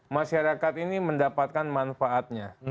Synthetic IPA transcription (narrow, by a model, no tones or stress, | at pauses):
maʃaɾakat̪iniməndapat̪̚kanmanfaʔːt̪̚ɲa